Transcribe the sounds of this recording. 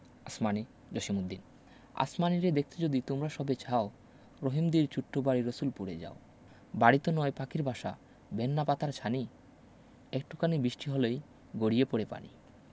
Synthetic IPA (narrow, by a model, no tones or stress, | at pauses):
asmani | d͡ʑoʃimud̪ːin | a̰smaniɾed̪ek̚ʰt̪ʰed͡ʑod̪it̪omɾaʃɔbet͡ɕʰao | ɾoɦimd̪iɾt͡ɕuʈʰːobaɽiɾosulpuɽed͡ʑa̰o | baɽit̪onɔepakiɾbʱaʃa̰ | benːapat̪aɾt͡ɕʰani | ekʈu̥kanibɾiʃʈiɦɔlej | ɡoɽijepoɽepa̰nḭ